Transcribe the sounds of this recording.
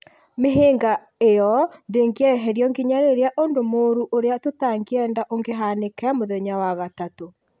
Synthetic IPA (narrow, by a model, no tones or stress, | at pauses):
meɦeːŋɡa | ejɔndeŋɡeɛɦɛɾiɔŋɡiɲaɾeɾeaʔondomoɾuʔoɾeatotaŋɡeɛːndaʔoŋɡeɦanekɛamoðɛɲawaɣatato